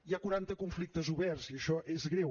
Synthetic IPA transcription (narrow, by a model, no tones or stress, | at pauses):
iakuɾant̪əkuɱflik̚t̪əzuβɛrziəʃɔʔezɣɾew